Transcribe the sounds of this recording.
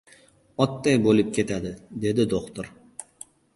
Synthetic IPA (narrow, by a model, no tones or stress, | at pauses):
ɒt̪ːajbolɪp̚kʲʰe̞t̪ʰad̪ɪd̪e̞d̪ɪd̪oqt̪oɾ